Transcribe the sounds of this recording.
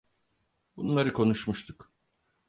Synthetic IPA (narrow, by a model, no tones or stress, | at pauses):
bunlˠaɾɯkʰo̞nuʃmuʃt̪ʰuk